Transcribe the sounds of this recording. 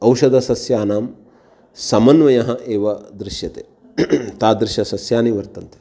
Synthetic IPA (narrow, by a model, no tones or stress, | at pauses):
ɐwʃɐd̪ɐsɐsjaːnaːm | sɐmɐnʋɐjɐɦɐ̆ʔeːʋɐd̪ɾɪʃjɐt̪eː | t̪aːd̪ɾɪʃjɐsɐsjaːniʋɐɾt̪ɐnt̪e̥